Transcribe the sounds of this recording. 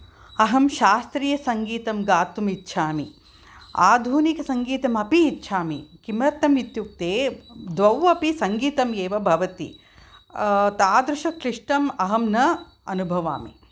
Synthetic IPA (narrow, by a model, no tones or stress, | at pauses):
ɐɦɐmʃaːst̪ɾiːjɐsɐŋɡiːt̪ɐmɡaːt̪umitːʃʰaːmi | a̰ːd̪ʱuːnikɐsɐŋɡiːt̪ɐmɐpiːt̪ːʃʰaːmḭkimɾɐt̪ːɐmit̪juk̚t̪eːd̪ʋɐwʋɐpisɐŋɡiːt̪ɐmeːʋɐbʱɐʋɐt̪ḭ | t̪aːd̪ɾuʃɐkɾiʂʈɐmɐɦɐmnɐ | ɐnubʱɐʋa̰ːmḭ